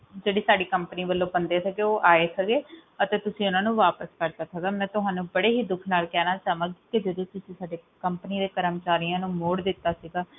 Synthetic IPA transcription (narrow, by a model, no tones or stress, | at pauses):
d͡ʒeːɽiːsaːɖiːkəmpəniːʋəlːõːbənd̪eːsəɡeːoːʔaːeːsəɡeːət̪eːt̪ʊsĩːʊnãːnũːʋaːpəskəɾd̪aːsəɡaːmɛ̃ːt̪ʊɦãːnũːbəɽeːɦiːd̪ʊkʰnaːlkɛːnaːt͡ʃaːʋãːɡiːked͡ʒəd̪õːt̪ʊsĩːsaːɖeːkəmpəniːd̪eːkəɾəmt͡ʃaːɾijãːnũːmoːɽd̪ɪt̪ːaːsiɡaː